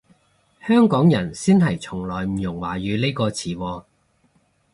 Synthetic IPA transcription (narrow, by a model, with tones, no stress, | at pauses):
hœː˥ŋkɔː˨˥ŋjɐ˨˩nsiː˥nɦɐ˨˩jt͡sʰʊ˨˩ŋlɔː˨˩jm̩˨˩jʊ˨˩ŋwaː˨˩jyː˨˧le˥jkɔː˧t͡sʰiː˨˥wɔː˧